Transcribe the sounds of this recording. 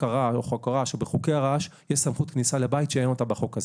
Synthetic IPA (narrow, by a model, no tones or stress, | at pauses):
aʁaoχakaʁaʃebeχukeaʁaʃjeʃsamχut̪knisalebait̪ʃeeno̞t̪abeχo̞kaz